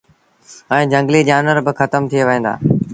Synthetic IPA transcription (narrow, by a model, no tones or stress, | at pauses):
ɛ̃ːd͡ʑə̃ŋɡliːd͡ʑaːnʋəɾbɪxət̪əmt̪ʰijeʋəɦẽːnd̪a̰ː